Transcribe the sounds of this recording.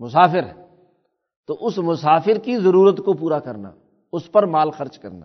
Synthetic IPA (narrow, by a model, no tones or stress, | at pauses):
mʊsaːfɪɾɦɛ | t̪oʔʊsmʊsaːfɪɾkizɐɾuːɾət̪kopuːɾakɐɾna̰ː | ʊspɐɾmaːlxɐɾt͡ʃkɐ̰ɾna̰ː